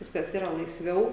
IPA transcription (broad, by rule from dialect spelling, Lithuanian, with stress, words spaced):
ˈʋʲɪskɐs ˈiːrɐ lˠɐɪsʲˈʋʲɛʊ